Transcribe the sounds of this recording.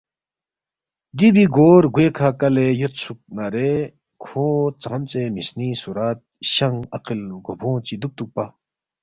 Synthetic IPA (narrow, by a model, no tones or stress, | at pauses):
d̪ibiɡoɾɡwekʰakalejot̪̚t͡sʰuk̚naɾe | kʰot͡samt͡semisnisuɾat̪̚ɕaŋaqʰəlɡopʰɔ̃ŋt͡ɕid̪uk̚t̪uk̚pa